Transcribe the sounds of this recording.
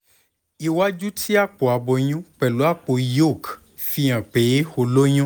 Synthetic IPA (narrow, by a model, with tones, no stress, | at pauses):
i˨wa˦d͡ʒu˦tʰi˦a˦k͡po˨a˨bɔ˨ɲ̃ũ˦k͡pɛ˨lu˦a˦˨k͡po˨jo˦˨k | fi˧ã˨k͡pe˨˦xo˧lo˦ɲ̃ũ˦